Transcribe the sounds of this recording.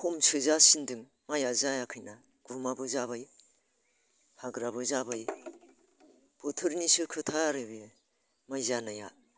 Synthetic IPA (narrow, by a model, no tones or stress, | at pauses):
homsɯzasindɯŋ | majazajakʰɯjna | ɡ̥umabɯzabaj | haɡɾabɯzabaj | b̥ɯtʰɯɾnisɯkʰɯtʰaɾɯbi | majzanaja̰